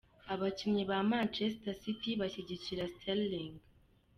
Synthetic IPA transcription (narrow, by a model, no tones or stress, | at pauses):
aβacimɲiβamant͡ʃestasitiβaɕeɟiciɾastʰalliŋɡ